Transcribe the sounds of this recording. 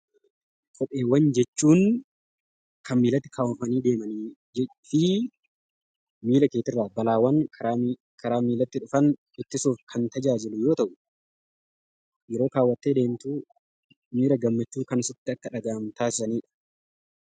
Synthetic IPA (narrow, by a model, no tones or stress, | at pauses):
kʼɔpʼːe̞ːwːɐnd͡ʒɛt͡ʃːuːn | kʰɐmmiːlɐt̪ːɪ̥kʰaːwʊfɐniːd̪e̞ːmɐni | ɛ | fɪ | miːlɐke̞ːt̪ɪrːaːbɐlaːwɐn | kʰɐɾaːmiːlɐt̪ːɪᶑʊfɐn | ɪt̪ːɪsuːfkʰɐnt̪ɐd͡ʒaːd͡ʒɪlʊjo̞ːt̪ɐʔʊ | jɛɾo̞ːkaːwːɐt̪ːeːd̪e̞ːmt̪uː | miːɾɐɡɐmːɐt͡ʃːuːkɐnɪsɪt̪ːɪɐkːɐᶑɐɡaːmt̪aːsɪsɐniːᶑɐ̥